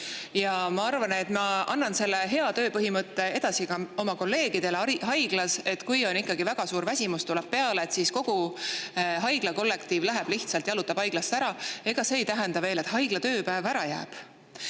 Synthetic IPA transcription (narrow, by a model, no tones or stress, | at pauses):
jɑmɑɑrvɑne̞t̪mɑɑnːɑnse̞lːe̞ɦe̞ɑt̪ø̞ːpɤɦimɤt̪ˑːe̞e̞d̪̥ɑsiɡ̥ɑo̞mɑko̞lːe̞ːɡ̥id̪̥e̞leɑɦɑjɡ̥lɑse̞t̪kujo̞nikːɑɡivæɡ̥ɑsuːɾvæsʲimust̪ulɛb̥̚pe̞ɑleːt̪siːsko̞ɡ̥u | ɦɑjɡ̥lɑko̞lːe̞kt̪iːvlæɦeb̥liht̪sɑlt̪jɑlut̪ːˑɑb̥hɑjɡ̥lɑst̪æɾɑe̞ɡ̥ɑse̞ːjt̪æɦe̞nd̪ɑve̞ːle̞t̪hɑjɡ̥lɑt̪ø̞ːpæːvæɾɑjæ̰ːb̥